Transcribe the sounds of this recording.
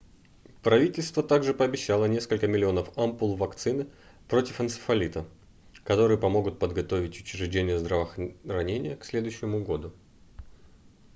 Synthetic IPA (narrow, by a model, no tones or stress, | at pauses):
pɾɐvʲitʲɪlʲst̪vət̪aɡʐɨpəɐbʲɪɕːalˠənʲe̞skəlʲkəmʲɪlʲɪo̞nəfɐmpulˠvɐkt̪sɨnɨpɾo̞tʲɪfənsə̥fɐlʲit̪ə | kɐt̪o̞ɾɨjəpɐmo̞ɡʊt̪̚pəd̪ɡɐt̪o̞vʲɪtʲʊt͡ɕɪɾɪʐdʲenʲɪjəzd̪ɾəvərɐnʲenʲɪjəksʲlʲe̞d̪ʊʉɕːɪmʊɡo̞d̪ʊ